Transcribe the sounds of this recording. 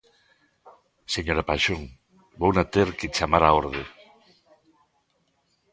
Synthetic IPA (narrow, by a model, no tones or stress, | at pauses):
seɲoɾapaʃoŋ | bownat̪eɾket͡ʃamaɾaoɾðe